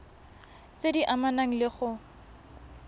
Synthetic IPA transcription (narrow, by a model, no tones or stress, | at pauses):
t͡sediʔamanaŋ̩lɪχʊ